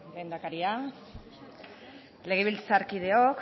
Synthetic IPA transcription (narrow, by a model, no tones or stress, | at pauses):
ɡend̪akaɾia | le̞ɣ̞eβilt͡saɾkið̞e̞ok